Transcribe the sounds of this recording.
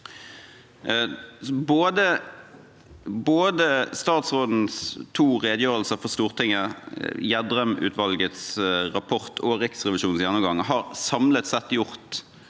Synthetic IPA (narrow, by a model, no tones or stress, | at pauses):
boːd̪ə | boːd̪əst̪ɑːt̪sʁoːd̪n̩st̪ʰuːʁeːd̪əjøːʁəlsəfɔʁst̪uːʁt̪ʰɪŋːəjæd̪ʁœmʉ̰ːt̪ʰʋɑlɡət̪sʁɑpʰɔʁt̪ʰɔʁɪksʁɛʋɪʃuːn̩sjænːɔmɡɑŋɦɑːʁsɑmlət̪sɛt̪ːjʊʁt̪